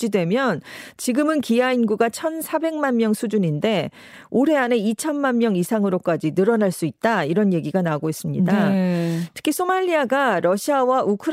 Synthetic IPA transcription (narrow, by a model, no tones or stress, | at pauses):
d͡ʑidwe̞mjʌnt͡ɕiɡɯmɯnkijainɡuɡat͡ɕʰʌnsʰabe̞ŋmanmjʌŋsʰud͡ʑuɲinde̞ | oɾe̞ane̞it͡ɕʰʌnmanmjʌŋisʰaŋɯɾok͈ad͡ʑinɯɾʌnaɭs͈uit̚t͈aiɾʌnje̞ɡiɡanauɡois͈ɯmɲidaa | tʰɯ̥kʰisʰomaʎːiaɡaɾʌɕʰiawaʔukʰɯɾ